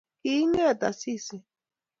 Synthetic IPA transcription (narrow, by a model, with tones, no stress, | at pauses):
i˦ɲe˦˨ta˨si˦˨si˨